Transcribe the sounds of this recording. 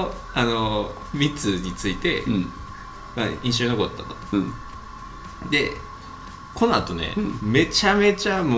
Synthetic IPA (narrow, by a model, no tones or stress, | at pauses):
ano̞ | mʲit͡sɨɲ̟it͡sɨit̪e̞ | maĩɕo̞ɲino̞ko̞t̪ːat̪o̥ | d̪e̞ | ko̞noat̪o̞ne̞̰me̞t͡ɕame̞t͡ɕamo